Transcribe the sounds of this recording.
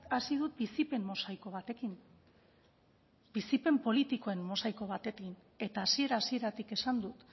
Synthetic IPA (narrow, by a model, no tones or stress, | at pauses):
asiðut̪̚bisipe̞mmo̞sajko̞β̞at̪e̞kin | bisipe̞mpo̞lit̪iko̞e̞mmo̞sajko̞β̞at̪e̞kin | e̞t̪aːsie̞ɾaːsie̞ɾat̪ike̞sand̪ut̪